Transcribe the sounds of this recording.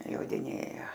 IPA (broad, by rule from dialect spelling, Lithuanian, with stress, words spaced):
joːdʲɪˈnʲeːjɛ